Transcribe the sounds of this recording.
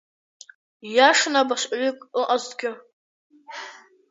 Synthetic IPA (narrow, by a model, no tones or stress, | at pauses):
jaʂnabaʂʷʼɥɪkʼɨʔazɡʲɪ